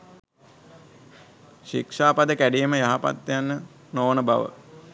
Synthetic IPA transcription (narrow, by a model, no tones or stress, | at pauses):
ʃikʂaːpad̪əkæɖijːməjaɦapa̰t̪ːjanːə | noːnəbaʋə̰